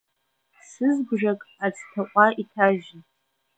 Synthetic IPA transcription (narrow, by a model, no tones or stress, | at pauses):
sɨzɡʷʒᶣakʼat͡sʰtʰaqʷʼaitʰaʒᶣ